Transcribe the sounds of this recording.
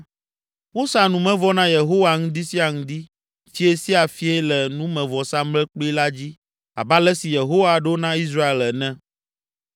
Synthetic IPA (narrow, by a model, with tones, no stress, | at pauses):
wo˦sa˨nũ˨mɛ̃˦vɔ˦nã˦je˨ɦo˦wa˨ŋũ˦d̪i˦si˦a˨ŋũ˦d̪i˦ | t͡ɕi˦e˦si˦a˨fi˦ɛ˦lɛ˨nũ˦mɛ̃˨vɔ˨sa˦mlɛ˦k͡po˦i˦la˦d͡ʑi˦ | a̰˨ba˦lɛ˦si˨je˨ɦo˦wa˨ɖnã˦i˦s̬ɾa˦e˨lɛ˨nɛ̃˦